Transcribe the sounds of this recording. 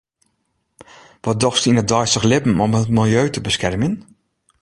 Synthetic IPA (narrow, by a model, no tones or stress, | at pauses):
ʋɔdɔxstinət̚dɔjstəxlɪpm̩ɔmətmɪlˠjøːtəbəskɛrmjən